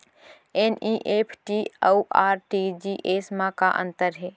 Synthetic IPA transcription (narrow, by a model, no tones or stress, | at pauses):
eniʔeːpʰʈiauʔaːɾʈid͡ʒiʔesmãkaʔə̰̃nt̪əɾɦeː